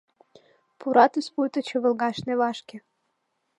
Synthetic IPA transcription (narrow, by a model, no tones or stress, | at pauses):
pʰuɾɑt̪yspujt̪ə̆t͡ɕɤ̆və̆lˠɡɑʃnevɑʃkʲĕ